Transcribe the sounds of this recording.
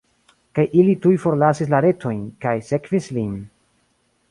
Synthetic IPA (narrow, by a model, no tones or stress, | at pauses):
kajʔilitujfo̞ɾlasis̬laɾe̞tʰo̞jnkajse̞kvislin